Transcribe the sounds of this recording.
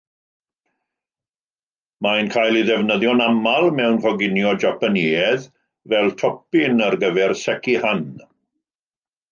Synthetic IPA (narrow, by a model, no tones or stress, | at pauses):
majnkʰaːjlˠiðɛvnəðjɔnamalˠmɛwnvɔɡɪnjɔd͡ʒapaniɛð | vɛlˠtʰɔpɪnarɡəvɛrsɛkihan